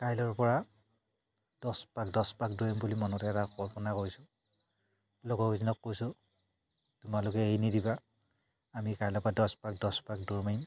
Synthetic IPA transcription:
kajlɔɹpɔɹa | d̥ɔspakdɔspak̚duɹimbulimɔnɔtɛɛtaxɔlpɔnakoɹisʊ | loɡɔkizinɔkːojsʊ | tumalʊkɛejnidiba | amikajlɔɹpɔɹadɔspak̚dɔspak̚duɹmaim

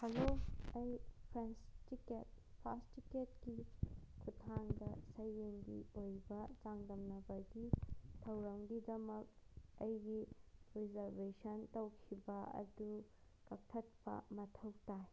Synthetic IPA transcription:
hɐloɐjpʰɾenstiket̚ | pʰastiketɡikʰutʰaŋdɐsɐjeŋdḭojbɐt͡ʃaŋdɐmnɐbɐɡitʰɐwɾɐŋɡidɐmɐk̚ɐjɡiɾizɐɾbesɐntɐwkʰibɐɐ̰du | kɐk̚tʰɐt̚pɐ̰mɐtʰɐwtaj

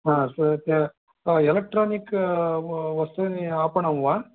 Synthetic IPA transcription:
ãːst̪ː | ɛlɐk̚ʈɾoːnɪkː | ʋɐst̪ɯniaːpɐɳɐʋãː

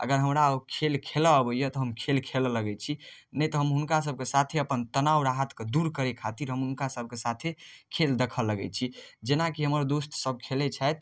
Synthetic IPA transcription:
ə̰ɡəɾɦəmɾakʰelkʰeləːbəjɔt̪ɔɦəmkʰelkʰelləɡɛt͡ʃʰinəjt̪ɔɦəmɦunkas̬əb̚ʱkesat̪ʰeəpənt̪ənawɾaɦət̪ked̪uɾkəɾekʰat̪iɾɦəmɦunkasəb̚ʱkesat̪ʰekʰeld̪ekʰəlːəɡɛ̰t͡ʃʰid͡ʒenakiɦəməɾd̪ost̪səb̚kʰelet͡ʃʰajt̪

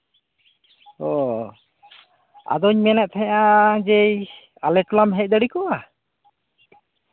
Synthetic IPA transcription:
ɔ | a̰d̪ɔɲmɛnɛʔ̚t̪ʰãad͡ʒɛj | alɛʈlamɦɛc̚d̪əɽikɔʔa

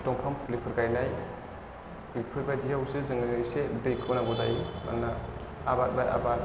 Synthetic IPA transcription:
tɔŋpʰampʰulipʰɯɾɡajnaj | ipʰɯɾbajdiɦawsɯzɯŋɯisedɯjkʰɯnaɡɔdajma̰nːa | abat̚bajʔa̰bat̚

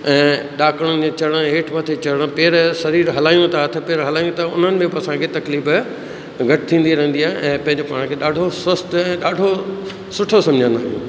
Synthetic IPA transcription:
ɛ̃ːɗaːkɽ̃ʊnɪ̆d͡ʑeːt͡ɕɐɽ̃ə̆eːʈʰmɐt̪ʰet͡ɕɐɽ̃ə̆peːɾsɐɾiːɾɦɐlaːjõt̪ʰaːt̪ʰɪpeːɾɦɐlaːjõt̪ʰaʊn̤ənɪ̆bẽpːɐsãkʰet̪ɐkliːf | ɡʱɐʈɪt̪ʰĩːn̆d̪iɾɐ̃ɦə̃nd̪iaːɦɪ̃ʔɛ̃ːpɐ̃ɪ̃ɲd͡ʑepaːɽ̃kʰeːɗaːɖʱoswɐst̪ɛ̃ːɗaːɖʱo | sʊʈʰosɐ̃md͡ʑʱə̃nd̪aː

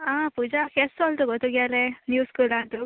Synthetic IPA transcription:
aːpud͡ʒakesoɭt̪uɡɔt̪ːuɡjalenjuːskulant̪u

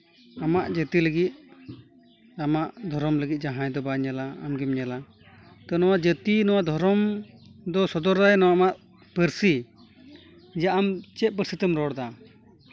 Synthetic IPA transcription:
amaʔd͡ʒət̪iləɡit̪̚ | amaʔd̪ʱɔɾɔmləɡit̪̚ˀd͡ʒaɦajd̪ɔbaɲalaa̰mɡimɲala | t̪ɔnɔwaʔd͡ʒət̪inɔwad̪ʱɔɾɔmd̪ɔsɔd̪ɔɾajnɔwaamaʔ | pəɾsi | d͡ʒaʔamt͡ʃɛt̪̚pəɾsit̪əmɾɔɽd̪a

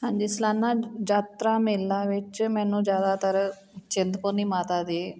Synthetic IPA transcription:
and͡ʑislanːad͡ʑat̪ɾamilːaʋet͡ɕmɛnũd͡ʑad̪at̪əɾ | t͡ɕend̪ponimat̪ad̪e

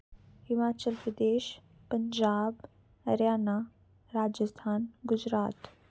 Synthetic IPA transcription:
hɪmaːt͡ʃəlpɾəd̪eːʃ | pəɲd͡ʒaːb | ɐɾjaːna | ɾaːd͡ʒəst̪ʰaːnɡʊd͡ʒɾaːt̪

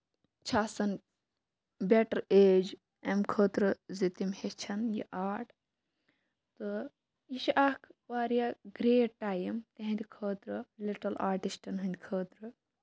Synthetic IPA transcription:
t͡ʃʰaːsɐn | bʲeʈɐɾeːd͡ʒ | emkʰəːt̪ɾɨzit̪imhet͡ʃʰɐnjḭʔaːɾʈ | t̪ɨ | iʃiʔakʰʋaːɾijaɡɾeːʈaːjɐmt̪eɦĩnd̪ʲikʰəːt̪ɾɨliʈɐlaːɾʈisʈɐnɦɨnʲd̪ʲkʰəːt̪ɾɨ

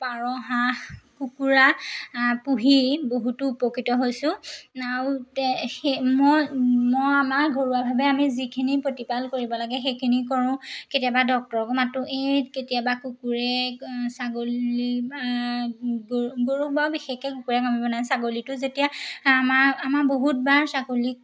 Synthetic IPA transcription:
paɹɔɦaxkukuɹa | puɦiboɦutuːpokitɔɦojsʊ̃aɹutɛxemɔjmɔjamaɹɡʱoɹuabʱabɛamizikʰinipɹotipalkoɹibɔlaɡɛxejkʰinik̬ɔɹʊ̃ketijabadɔk̚tɔɹɔkɔmatʊʔejketijabakukuɹɛsaɡolia | ɡɡoɹukbabixekɛkukuɹɛkamibɔnaj̃saɡolitʊzetijamaɹamaɹboɦut̚baɹsakolik̚

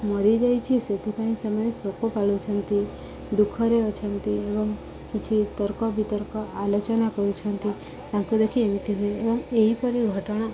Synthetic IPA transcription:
məɾid͡ʒajt͡ʃʰiset̪ipaĩsamanesokopalut͡ʃʰənt̪i | d̪ukʰəɾeət͡ʃʰənt̪iebɔm | pit͡ʃʰit̪əɾkɔbʱit̪əɾkɔʔalot͡ʃənakəɾũt͡ʃʰənt̪i | t̪ãkud̪ekʰiemit̪iɦoeebəmeipəɾiɡʱəʈɽ̃a

